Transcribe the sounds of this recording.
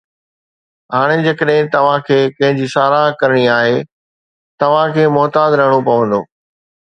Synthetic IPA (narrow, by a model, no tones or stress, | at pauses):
ɦaːɽ̃ed͡ʑɐkəɗɦɪ̃t̪ɐʋ̤ãkʰeːkɐ̃ɦɪ̃ɲd͡ʑisaːɾakɐɾɪɽ̃iaːɦeː | t̪ɐʋ̤ãkʰeːmɔːt̪aːd̪ɾɐɦəɽ̃opɐʋə̃nd̪oː